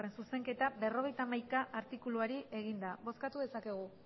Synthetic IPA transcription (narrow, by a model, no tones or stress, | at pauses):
re̞nsuse̞ŋke̞t̪abe̞ro̞ɣ̞e̞jt̪amajkaʔaɾt̪ikuluaɾie̞ɣ̞ind̪aβo̞skat̪uðe̞sake̞ɣ̞u